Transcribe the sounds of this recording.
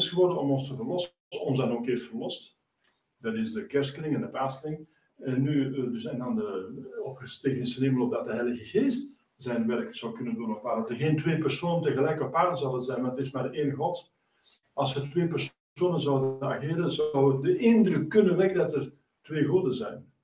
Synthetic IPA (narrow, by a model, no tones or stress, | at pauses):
sxəʋɔrdənɔmɔnstəvərlɔsə | sɔnzdɑnoːkeːftfərlɔst | dɑtɪsdəkɛrsklɪŋɛndəpaːskrɪŋ | ɛnːydsɛjndɑndəɔpxəsteːkənɪsənɪməlˠɔpdɑt̚dəɦɛɪjləɣəɣeːst | zɛjnʋɛrkz̥ɑwkʏnənduənɔpaːrɔdəɣeːntʋeːpɛrsoːnəntəɣəlɛjkɔpːaːrəzɑwdənzɛjnmaətɪsmaːrdəʔeːnəɣɣɔt | ɑlˠsʋətʋeːpɛrs | oːnənzɑwdənaɣeːɾənzɑwʋədəʔɪndrʏkːɵnənʋɛkəddɑtər | tʋeːɣudəzɛjn